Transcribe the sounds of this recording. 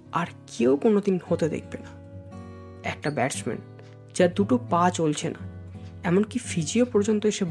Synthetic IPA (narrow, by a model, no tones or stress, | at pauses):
aɾkʰewkonod̪inhot̪ed̪ḛk̚ʰbḛna | ɛk̚ʈabɛɾt͡ɕmḛn | d͡ʑaɾd̪uʈopãt͡ɕolt͡ɕʰenaɛmonkifʰid͡ʑiopɔɾd͡ʑont̪oeʃeb